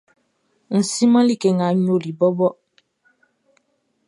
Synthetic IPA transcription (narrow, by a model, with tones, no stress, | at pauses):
n̩˨si˦mã˦li˦˨ke˨ŋa˨˦ɲo˦˨li˨bɔ˦bɔ˦